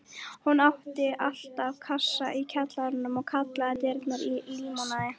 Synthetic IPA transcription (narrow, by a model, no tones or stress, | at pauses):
hunawht̪ɪa̰l̥t̪avkʰasːaʔicʰɛt̪laɾɪnːʏmɔɣkʰat̪laðɪt̪ɛɾt̪naɾiliːmɔnaðɪ